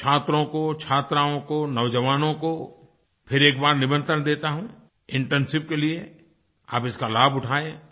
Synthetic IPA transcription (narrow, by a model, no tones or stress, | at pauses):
t͡ʃʰaːt̪ɾõkot͡ʃʰaːt̪ɾaːõkonɐʋd͡ʒəʋaːnõko | pʰɪɾeːk̚baːɾnɪʋə̃nt̪ənd̪eːt̪aɦũː | ɪ̃ɳʈɛ̃nsɪp̚kelie | a̰ːpɪskalaːbʊʈʰaːẽː